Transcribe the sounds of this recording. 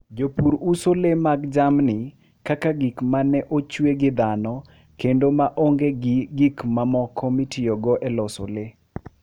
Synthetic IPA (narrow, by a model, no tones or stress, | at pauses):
d͡ʒopuɾusolemaɡd͡ʒamnɪ | kakaɡikmanɛʔot͡ʃweɡɪd̪anɔ | kendomaʔoŋɡeɡɪɡikmamɔkʰɔmitioɡɔʔɛlɔso̰le